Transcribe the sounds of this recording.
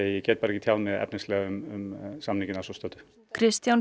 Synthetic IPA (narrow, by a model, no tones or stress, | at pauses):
jɛcɛːt̪̚paːɾɛcːɪt̪ʰjaːwnmɛðɛ̰pnɪnslɛːɣaʏmʏmsamniŋcɪnasɔst̪œːt̪ʏ̥ | kʰɾɪst̪jan